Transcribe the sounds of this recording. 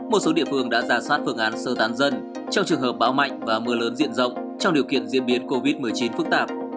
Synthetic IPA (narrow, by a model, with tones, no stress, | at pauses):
mo˨˩t̚so˨˦ɗḭ˧˨ənfɨ˨˩əŋɗa̰ː˧˥zaː˧˩swaː˦˥t̚fɨ˧˩əŋʔaː˨˦nsəː˧˩t̪aː˨˦nzə˧n | t͡ɕɔ˧wŋ͡mt͡ɕɨ˨˩əŋɦəː˨˩p̚ɓaː˨˦wma̰˧˨jŋ̟vaː˨˩mɨ˨˦ələː˨˦nzḭ˧˥ənzə̰˧˨wŋ͡m | t͡ɕɔ˧wŋ͡mɗi˨˩əwkḭ˧˨ənzḭ˧˥ənɓi˨˦ənko˧vi˦˥t̚mɨ˨˩əjt͡ɕi˨˦nfɨ˦˥k̚t̪aː˧˩p̚